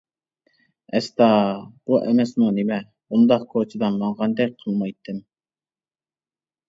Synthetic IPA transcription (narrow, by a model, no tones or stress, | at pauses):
ɛst̪ɑb̥uʔɛmɛsmunɪmɛ | und̪ɑqkʰot͡ʃʰid̪ɑnmɑɴʁɑnd̪ɛk̚ʲqʰəlˠmɑjt̪ʰːɨm